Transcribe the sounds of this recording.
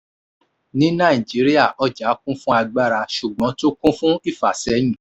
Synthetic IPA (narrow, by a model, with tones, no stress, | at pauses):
nĩ˨˦nã˦˨i˨d͡ʒi˨˦ɾi˦a˦˨ʔɔ˦d͡ʒa˨˦kũ˦fũ˦a˧ɡ͡ba˦ɾa˧ʃu˨ɡ͡bɔ̃˨˦to˦kũ˦fũ˦i˦˨fa˨sɛ˨˦j̃ĩ˦˨